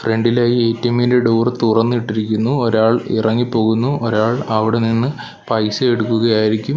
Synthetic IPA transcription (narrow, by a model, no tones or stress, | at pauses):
fre̞ɳɖilaːjieːtːɐmindeɖuːrt̪urɐnːɨiʈːiɾikʲːunːuoɾaːɭḭrɐŋːipːo̞ːɣunːuʔoɾaːɭɐʋiɽeninːɨ | pɐjsɨeɽukːuɣɐjaːjiɾikʲːum